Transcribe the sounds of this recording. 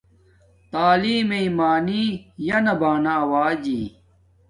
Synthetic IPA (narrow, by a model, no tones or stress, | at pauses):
t̪aːliːmeimaːnijɐnɐbaːnɐɐwaːd͡ʑḭː